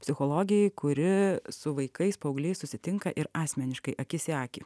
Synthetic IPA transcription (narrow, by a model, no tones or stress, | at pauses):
pʲsʲɪxoːlˠoːɡʲɪjɛɪkʊɾʲɪsʊʋɐɪkɐɪspɐʊɡlʲeɪsʊsʲɪt̪ʲɪŋkɐʔɪɾɑːsʲmʲɛnʲɪʃkɐɪʔɐkʲɪsʲæːkʲɪ